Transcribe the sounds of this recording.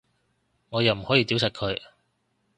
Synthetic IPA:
ŋɔː˨˧jɐ˨wm̩˨˩hɔː˨˥jiː˧t̪i˨˥wsɐ˨k̚kʰɵ˨˧ɥ

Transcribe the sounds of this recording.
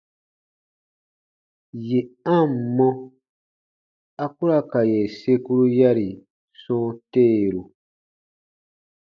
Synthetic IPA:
je˨ã˦˨m˨mɔ̃˦ | a˦ku˦ɾa˦ka˨je˨se˦ku˦ɾu˦ja˦ɾi˨ | sɔ̃ː˦teː˦˨ɾu˨

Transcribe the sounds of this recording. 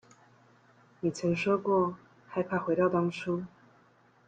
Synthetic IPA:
ni˨˩t͡sʰɤ˧˥ŋʂɔ˥kwɔ˥˩ | xa˥˧ɪpʰa˥˩xwe˧˥ɪt̪ɑ˥˩ʊt̪ɑ˥ŋʈ͡ʂʰu˥

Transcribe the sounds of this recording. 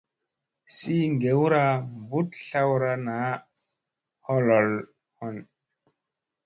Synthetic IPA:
si˦ŋɡe˨˦wɾa˦mbu˦tɬa˦wɾa˦na˨˦ | hɔ˦lɔ˨l | hɔ˨n

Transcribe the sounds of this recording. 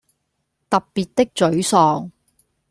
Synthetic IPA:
t̪ɐ˨p̚piː˨t̚t̪ɪ˥k̚t͡sɵ˨˥ɥsɔː˨ŋ

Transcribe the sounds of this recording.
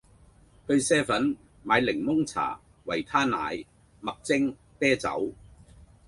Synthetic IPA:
t̪ɵ˧ɥsɛː˥fɐ˨˥n | maː˨˧jlɪ˨˩ŋmʊ˥ŋt͡sʰa̰ː˨˩ | wɐ˨˩jt̪ʰaː˥na̰ː˨˧˥j | mɐ˨k̚t͡sɪ˥ŋ | t̪ɛː˥t͡sɐ̰˨˥w

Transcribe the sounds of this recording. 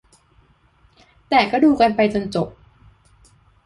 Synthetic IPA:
t̪ɛː˨˩kɔː˥˩duː˧ka˧npa˧jt͡ɕo˧nt͡ɕo˨˩p̚

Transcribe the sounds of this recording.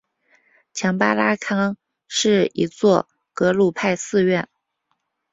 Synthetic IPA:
t͡ɕʰjɑ˧˥ŋpa˥la˥kʰɑ˥ŋ | ʂɻ̩˥˩ḭ˧˥t͡swɔ˥˩ | kɤ˧˥lu˥˧pʰa˥˧ɪsɹ̩˥˧ɥɛ˥˩n

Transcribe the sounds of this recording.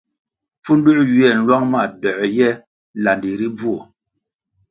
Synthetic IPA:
fu˦n˦du˦ʔjɥɛ˦˨n̩˦lwa˦ŋma˦˨dɔ˨ʔjɛ˦ | la˨ndi˨ɾi˦b͡vu˦o˨

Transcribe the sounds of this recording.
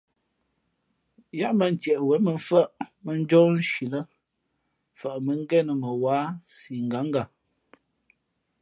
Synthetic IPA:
ja˦ʔmbə˦˨n̩˨t͡ʃɛ˨ʔwɛ˨˦mə˨ɱ˦fə˦ʔmə˨n˦d͡ʒɔ˦n̩˦ʃi˨lə˦ | fə˨ʔmə˨ŋ̩˦ɡɛ˦nə˨mə˨waː˨˦si˨ŋ˨ɡa˨˦ŋ˦ɡa˨

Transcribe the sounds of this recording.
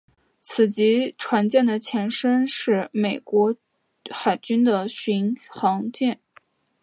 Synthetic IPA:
t͡sʰɹ̩˨˩t͡ɕi˧˥ʈ͡ʂʰwa˧˥nt͡ɕjɛ˥˩nd̪ə˩t͡ɕʰjɛ˧˥nʂə˥nʂɻ̩˥˩me˨˩ɪkwɔ˧˥ | xa˨˩ɪt͡ɕy˥nd̪ə˨ɕy˧˥nxɑ˧˥ŋt͡ɕjɛ˥˩n

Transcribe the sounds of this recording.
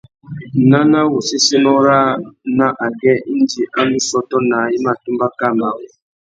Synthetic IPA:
na˦na˦wɔ˨si˦si˦nɔ˦ɾa˦na˦ʔa˨ɡɛ˦n̩˦d͡ʒi˨ʔa˦nũ˦sɔ˦tɔ˦na˨i˦ma˦˨tu˦ba˦ka˦˨ma˨wɔ˨

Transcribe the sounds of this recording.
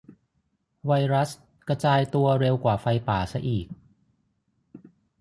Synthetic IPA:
wa˧jɾa˦˥s | kɾa˧t͡ɕaː˧jt̪u˧ɐɾe˧wkwaː˨˩fa˧jpaː˨˩sa˧ʔiː˨˩k̚

